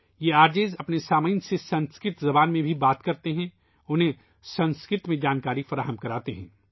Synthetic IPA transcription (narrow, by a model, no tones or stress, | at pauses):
jeaːɾd͡ʒeːzɐpnesaːməːnsesɐ̃nskɾɪt̪zɐbaːnmẽbʱibaːt̪kɐɾt̪eɦɛ̃ | ʊnɦẽ | sɐ̃nskɾɪt̪mẽd͡ʒaːnkaːɾifɐɾaːɦəmkɐɾaːt̪eɦɛ̰̃ː